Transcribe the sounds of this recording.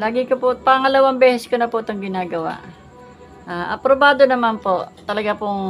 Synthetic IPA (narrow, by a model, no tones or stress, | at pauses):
laːɡɪkopopaŋɐlɐwambɛːsɛskonɐpʊt̪ɐŋɡɪnaːɡɐwa̰ʔ | ʔaːʔɐpɾobaːd̪onɐmanpoʔt̪ɐlɐɡapoŋ